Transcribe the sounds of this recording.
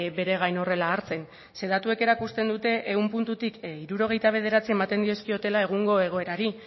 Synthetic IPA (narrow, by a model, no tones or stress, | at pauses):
be̞ɾe̞ɣ̞ajno̞re̞laːɾt͡se̞n | se̞ðat̪ue̞ke̞ɾakust̪e̞nd̪ut̪e̞ʔeumpunt̪ut̪ikiɾuɾo̞ɣ̞e̞jt̪aβ̞e̞ð̞e̞ɾat͡sie̞mat̪e̞nd̪io̞skio̞t̪e̞lae̞ɣ̞uŋɡo̞e̞ɣ̞o̞e̞ɾaɾi